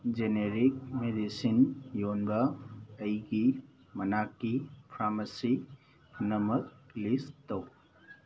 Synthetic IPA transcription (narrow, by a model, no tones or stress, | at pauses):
d͡ʒeneɾik̚medisinjonbɐːjɡi | mɐnakːipʰɾamɐsi | kʰunɐmɐt̚listɐw